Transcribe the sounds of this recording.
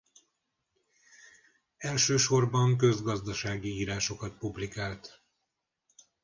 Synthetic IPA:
ɛlʃøːʃo̞rbɒŋk̬ø̞zɡɒzd̪ɒʃaːɡiiːɾaːʃo̞kɒt̪̚publikaːlt̪

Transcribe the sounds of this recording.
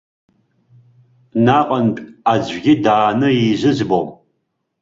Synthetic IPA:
naːqʼɐnpʼaːd͡ʑɡʲɪdaːnɨjiʑɨzbom

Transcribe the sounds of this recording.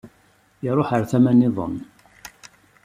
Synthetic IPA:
ɪɾˤoħəɾθæmænɪðˤə̰nː

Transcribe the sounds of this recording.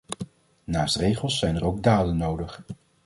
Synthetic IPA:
naːstrejχəlˠsːɛjnəɾowɡ̚daːdənːowdəχ

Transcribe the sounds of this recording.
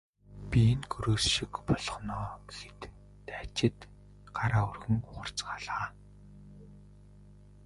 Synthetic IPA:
pʲinɡɵɾoːsʃikpɔɮɞ̆χnɔːɡexĕt̪ː | æːt͡ɕɪ̆t̪ | ɢ̥aɾaːɵrɣɵ̆ŋχʊr̥t͡sɢaːɮaː

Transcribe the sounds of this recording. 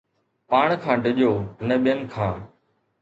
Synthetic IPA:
paːɳ̃kʰãːɖəʄoːnəɓɪjənkʰãː

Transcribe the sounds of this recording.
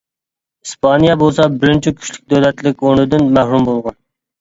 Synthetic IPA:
ispʰɑnijɑbolˠsɑbɪɾɪnt͡ʃʰikʲʰy̥ʃlʲy̥k̚ʲd̪øwlɛt̪lɪk̚ʲonɪd̪ɪnmæhɾumbolˠʁɑn

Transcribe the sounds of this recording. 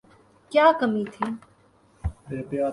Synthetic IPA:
kjaːkəmiːt̪ʰiː | eːpjaː

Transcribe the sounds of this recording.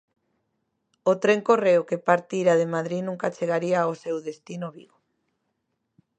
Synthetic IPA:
ot̪ɾeŋkoreokepaɾt̪iɾaðemaðɾinũŋkat͡ʃeɣaɾiaosewðest̪inoβiɣo

